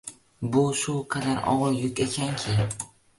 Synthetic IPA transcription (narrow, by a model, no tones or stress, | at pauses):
bʊʃʊqʰɑd̪aɾɒ̰ʁɑjʊkʲekʲʰankʲʰɪ